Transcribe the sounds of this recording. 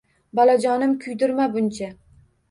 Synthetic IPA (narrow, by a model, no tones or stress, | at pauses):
bɒlad͡ʒɒnɪmkʲʰʊjd̪ʊɾmabʊnt͡ʃʰa